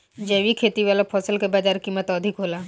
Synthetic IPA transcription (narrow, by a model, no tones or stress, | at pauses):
d͡ʒɛːʋikʰeːt̪iʋaːlapʰɔːsəlkebad͡ʒaːɾkiːmːət̪ɔːd̪ʱikɦoːlaː